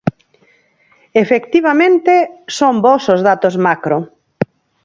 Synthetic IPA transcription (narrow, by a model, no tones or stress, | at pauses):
efekt̪iβ̞amẽnt̪esombosozð̞at̪ozmakɾo